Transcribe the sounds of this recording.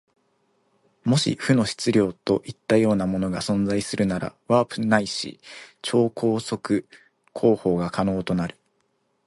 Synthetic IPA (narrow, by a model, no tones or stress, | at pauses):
mo̞ɕḭɸɯ̟no̞ɕi̥t͡sɨɾʲjo̞ːt̪o̞ʔit̪ːajo̞ːnamo̞no̞ɡasõ̞nzaisɨɾɯ̟naɾa̰βaːpɯ̟naiɕḭt͡ɕo̞ːko̞ːso̞kɯ̟ | kʰo̞ːho̞ːɡakʰano̞ːt̪o̞naɾɯ̟